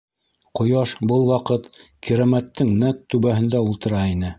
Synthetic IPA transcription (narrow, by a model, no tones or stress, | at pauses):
qŏjɑʃbɤlˠwɑqɤt̪kiɾæmæt̪ːɘŋnæk̚t̪ʉβæɦɘ̆nd̪æulˠt̪ɤ̆ɾɑinɘ